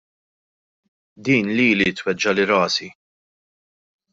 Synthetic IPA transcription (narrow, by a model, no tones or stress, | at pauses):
d̪iːnliːlit̪wɛd͡ʒːɐlɪɾɐːsi